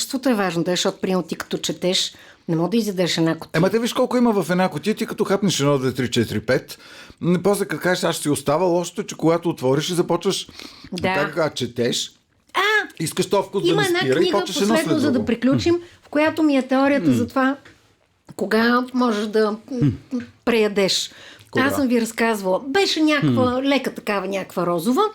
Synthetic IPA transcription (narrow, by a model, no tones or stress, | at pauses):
st̪vot̪oɛvaʒnot̪ɛʃɔt̪̚pɾimot̪ːikɐ̥t̪ɔt͡ʃɛt̪ɛʃ | nɛmɔɡod̪ɐizid̪ɛɾɛʃɛd̪nako̥t̪ɛmɐt̪ɛviiʃkɔlˠkʊiməvɐfɛd̪nakot̪it̪ikɐt̪ɔxapnɛʃɛd̪nɔd̪ɛt̪ɾit͡ʃɛt̪ɾipɛt̪ | npɔslɛkɐt̪kaʒɛʃaʃsiost̪avəlˠɔʃt̪ot̪t͡ʃɛkoɡat̪oːt̪vɔɾiʃizɐpɔt͡ʃvəʃd̪aaəkvat͡ʃɛt̪ɛʃ | aiskəʃt̪ɔfkʊiməɛd̪naiɾniɡpɔəʃoɛslɛt̪ozɐd̪ɐpɾiklʲut͡ʃimfkojat̪omiɛt̪ɛɔɾijət̪əzɐt̪ova | koɡamɔʒɛʃd̪ɐ | pɾɛjɐd̪ɛʃasəmviɾɐskazvəlˠbɛʃɛnʲakvəlɛkət̪ɐkavɐnʲakvəɾɔzʊvə